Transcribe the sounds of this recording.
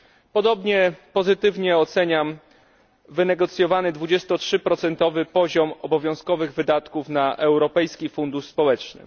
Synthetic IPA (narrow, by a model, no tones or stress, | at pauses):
pɔd̪ɔbɲɛpɔzɘt̪ɘvɲɛɔt̪sɛɲam | vɘnɛɡɔt̪sʲjɔvanɘd̪vud͡ʑɛst̪ɔtʂɘpɾɔt̪sɛnt̪ɔvɘpɔʑɔmɔbɔvʲjɔ̃w̃skɔvɘɣvɘd̪at̪kufnaʔɛwɾɔpɛjskʲifund̪uʂspɔwɛt͡ʂnɘ̰